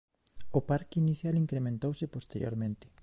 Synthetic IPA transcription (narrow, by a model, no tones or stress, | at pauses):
opaɾkɪiniθjaliŋkɾemẽnt̪owsɪpost̪eɾj̰o̰ɾmẽnt̪ɪ̥